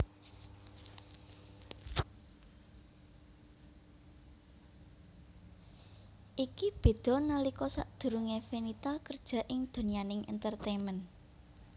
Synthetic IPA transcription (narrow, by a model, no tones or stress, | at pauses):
ʔikib̥e̤d̪̥ɔ̤nalikɔsaʔd̪̥ṳɾuŋefenit̪akərd̥ʒ̥a̤ʔɪŋd̪̥o̤nianɪŋɛ̰nt̪ərt̪emɛn